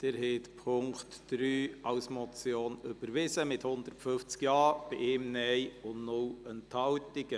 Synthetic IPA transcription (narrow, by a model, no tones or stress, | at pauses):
d̥ɛɾhɛːtpʰʊŋktd̥ɾyːɑwsmɔt͡sjoːnʏb̥əɾʋɪsəmɪthʊnd̪əɾtfʏft͡skjɑːb̥ɪʔɪːmnɛjʊnnʊlənthɑwtɪɡ̥ə